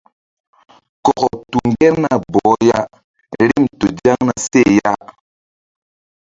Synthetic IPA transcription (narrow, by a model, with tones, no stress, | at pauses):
kɔ˨ɣɔ˨tu˨ŋ˦ɡɛ˦ɾna˨bɔ˨˦ja˦ | ɾi˦˨mto˨d͡ʒa˦ŋna˨se˦˨ja˦ʔ